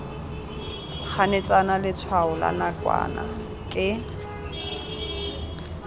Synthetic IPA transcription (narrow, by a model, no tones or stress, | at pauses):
k͡xʰanet͡sʼanalɪt͡sʰwaʊla̰nakʼwa̰na̰ | kʼɪ